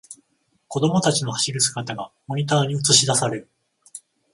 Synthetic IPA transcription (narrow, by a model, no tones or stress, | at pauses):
ko̞d̪o̞mo̞t̪at͡ɕino̞haɕiɾɯ̟sɨ̥ɡat̪aɡamo̞ɲ̟it̪aːɲ̟iɯt͡sɨɕid̪asaɾeɾɯ